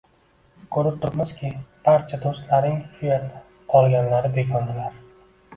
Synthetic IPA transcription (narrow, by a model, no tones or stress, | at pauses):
kʰɵɾɪp̚t̪ʰʊpmɪz̥kʲʰɪb̥aɾt͡ʃʰad̪ost̪laɾnɪŋfieɾt̪ | qʰɒlˠɡʲanlaɾɪbe̞kʰʲɒnd̪ɪlaɾ